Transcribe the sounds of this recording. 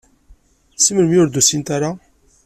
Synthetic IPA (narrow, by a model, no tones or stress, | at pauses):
səməlmjʊɾd̪usint̪aɾa